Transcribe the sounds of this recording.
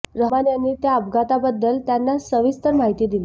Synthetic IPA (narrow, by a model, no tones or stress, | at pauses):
ɾəanjanːiːt̪jaəbɡat̪abəd̪ːəlt̪janːasəʋist̪əɾmaɦit̪iːd̪ili